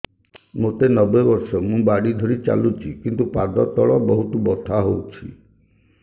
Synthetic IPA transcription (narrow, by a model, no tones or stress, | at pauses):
mot̪enɔbebɔɾsɔmũbaɽid̪ʱɔɾit͡ʃa̰lut͡ʃʰikint̪upad̪ɔt̪ɔɭɔbɔɦuʈ̪ubɔt̪ʰaɦowt͡ʃʰi